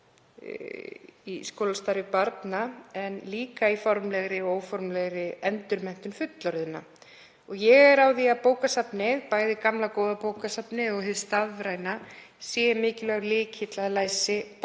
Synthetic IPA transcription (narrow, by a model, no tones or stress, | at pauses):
iskoːwlast̪aɾɪpaɾt̪naɛnliːkaifɔɾmlɛɣɾɪoːwfɔɾmlɛɣɾɪɛnt̪ʏɾmɛn̥t̪ʏmfʏt̪laɾðɪnːa̰ | ɔɣjɛɣɛɾawðiapoːwkasapnɪðpaːjðɪkamlakoːwðapoːwkasapnɪɔɣhɪst̪aðvɾaːjnasjɛmɪːcɪlɛɣɾlɪːcʰɪt̪laðɪlaːjsɪp